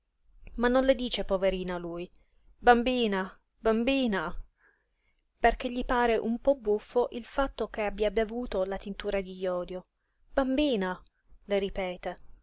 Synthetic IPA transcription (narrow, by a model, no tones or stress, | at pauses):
manːonled̪iːt͡ʃepoveɾiːnaluːj | bambiːna | bambiːna | perk̟eʎːipaːɾeʔumpɔbːufːoʔilfat̪ːok̟eabːjabevuːt̪olat̪int̪uːɾad̪ijɔːd̪jo | bambiːna | leɾipɛːt̪e